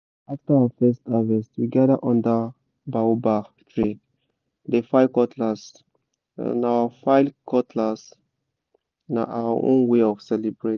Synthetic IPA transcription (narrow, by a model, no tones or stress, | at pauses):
aftaaəfɛstavɛstwiɡadəʔɔ̃ndə | baobatʰɹe | defaɪkɔtʰlas | nawafajlkʰɔtʰlas | na̰ʔa̰waʔõ̰nweɔfsɛlibɹe